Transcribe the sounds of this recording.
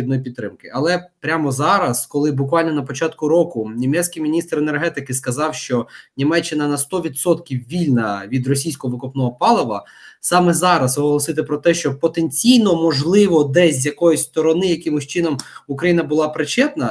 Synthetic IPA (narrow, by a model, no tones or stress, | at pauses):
d̪nɔjipʲid̪t̪t̪ːɾɪmkɪɐlˠɛpɾʲamɔzɑɾɐskɔlˠɪbʊkʋɑlʲnɔnɐpɔt͡ʃɑt̪kʊɾɔkʊnʲimɛt͡sʲsʲkijmʲinʲist̪ɾenerɦɛt̪ɪkɪskɐzɑwʃt͡ʃɔnʲimɛt͡ʃːɪnɐnɐst̪ɔʋʲid̪sɔt̪kʲiwʋʲilʲnɐʋʲid̪rɔsʲijsʲkɔɔʋɪkɔpnɔɔpɑlˠɐʋɐ̰ | sɑmɛzɑɾɐsɔɦɔlˠɔsɪt̪ɪpɾɔt̪ɛʃt͡ʃɔpɔt̪enʲt͡sʲijnɔmɔʒlˠɪʋɔd̪ɛzʲjɐkɔjʊsʲst̪ɔɾɔnɪjɐkɪmʊsʲt͡ʃɪnɔmukɾɐjinɐbʊlˠɑpɾɪt͡ʃɛt̪nɐ